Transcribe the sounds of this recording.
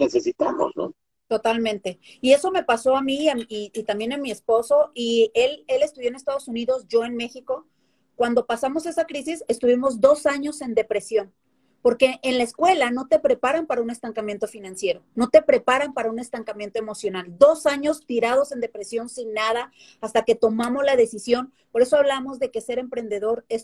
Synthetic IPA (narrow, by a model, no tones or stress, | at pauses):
nesesit̪amo̰zno̰ | t̪o̞t̪almẽnt̪e̞ | ie̞so̞me̞paso̞amiaːt̪ambje̞namie̞spo̞so̞ʔiele̞le̞st̪uβjo̞enest̪að̞o̞suniðo̞zʝo̞e̞nme̞xiko̞ | kwand̪o̞pasamo̞se̞sakɾisise̞st̪uβ̞imo̞zd̪o̞saɲo̞se̞nd̪e̞pɾe̞sjo̞n | po̞ɾke̞ʔenlaeskwe̞lano̞t̪e̞pɾe̞paɾampaɾaune̞st̪aŋkamjent̪o̞finãnsje̞ɾo̞no̞t̪e̞pɾe̞paɾampaɾaune̞st̪aŋkamjent̪oemo̞sjo̞nald̪o̞saɲo̞st̪iɾað̞o̞se̞nd̪e̞pɾesjo̞nsinːað̞aː | st̪ake̞t̪o̞mamo̞zlaðe̞sisjo̞n | po̞ɾe̞so̞aβ̞laβamo̞zðe̞ke̞se̞ɾe̞mpɾe̞nd̪eðo̞ɾes